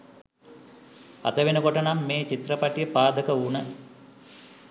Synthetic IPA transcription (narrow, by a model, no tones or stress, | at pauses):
a̰t̪əʋenəkoʈənamːeːt͡ʃit̪rəpaʈijəpaːd̪əkəunə